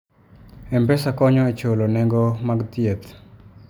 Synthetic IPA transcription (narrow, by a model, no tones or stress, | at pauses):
ɛmpɛsakɔɲɔet͡ʃolonɛŋɡɔmaɡt̪jet̪